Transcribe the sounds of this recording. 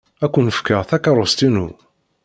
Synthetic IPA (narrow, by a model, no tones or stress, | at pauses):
ækʷːənəfkəʁθækɑɾˤost̪inṵ